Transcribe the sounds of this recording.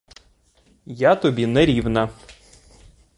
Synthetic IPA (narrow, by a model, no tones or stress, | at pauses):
jat̪ɔbʲinɛɾʲiwnɐ